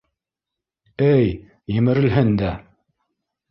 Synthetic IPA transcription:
ɘj | jɘ̆mɘ̆ɾɘ̆lɦɘnd̪æ

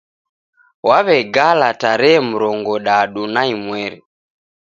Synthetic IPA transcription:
waβɛɡalataɾɛːm̩ɾɔŋɡɔɗaɗunaimwɛɾɛ

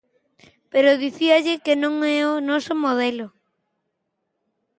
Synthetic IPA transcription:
peɾoðiθiaʎɪkenõŋɛonɔsomoðɛlo

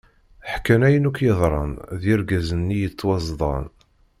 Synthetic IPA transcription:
ħkːænæjənukjəðˤɾˤɑ̰nðiɾɡæzənːijət͡sːwɑzðˤɑ̰n

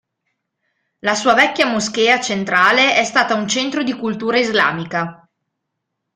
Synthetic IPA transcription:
lasuːavɛkʲːjamoskeːat͡ʃent̪ɾaːleʔɛst̪aːt̪aunt͡ʃɛnt̪ɾod̪ikult̪uːɾaizla̰ːmika

